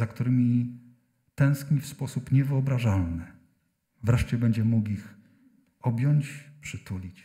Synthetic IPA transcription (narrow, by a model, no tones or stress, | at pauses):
zakt̪uɾɘmʲi | t̪ɛ̃w̃skmʲifspɔsupɲɛvɘɔbɾaʐalnɘ | vɾɛʂt͡ɕɛbɛɲd͡ʑɛmukix | ɔbʲjɔɲt͡ɕpʂɘt̪ulʲit͡ɕ